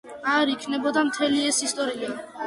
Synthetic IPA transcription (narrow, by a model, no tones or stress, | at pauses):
aɾikʰnɛbɔd̪amt̪ʰɛliɛsist̪ʼɔɾia